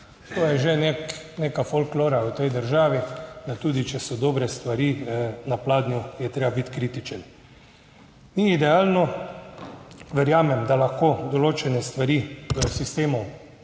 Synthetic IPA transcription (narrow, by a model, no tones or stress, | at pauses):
t̪oːjɛʒeneknekafolkloːɾaut̪ɛjd̪əɾʒaːʋid̪at̪uːd̪it͡ʃɛsɔd̪oːbɾɛst̪ʋaɾinaplaːd̪nʲjujɛt̪ɾeːbabit̪kɾit̪it͡ʃɛn | niid̪ɛaːlnɔ | ʋɛɾjaːmɛmd̪alaxkoːd̪ɔloːt͡ʃɛnɛst̪ʋaɾiːəsist̪eːmɔw